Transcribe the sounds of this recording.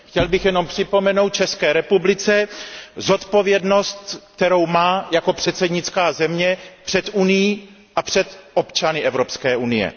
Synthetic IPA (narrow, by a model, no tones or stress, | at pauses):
xcɛlbɪxjɛno̞mpr̥ɪpo̞mɛnowt̪̚t͡ʃɛskɛːɾɛpublɪt͡sɛzo̞t̪po̞vjɛdno̞st̪k̚t̪ɛɾowmaːjako̞pr̥ɛt̪t͡sɛdɲɪtt͡skaːzɛmɲɛpr̥ɛt̪ʔunɪjiː | ʔapr̥ɛt̪ʔo̞pt͡ʃanɪʔɛvɾo̞pskɛːʔunɪjɛ̰